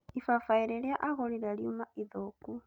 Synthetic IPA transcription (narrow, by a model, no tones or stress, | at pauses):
ifafaiɾɛljaʔaɣɔlilaljumaiðoku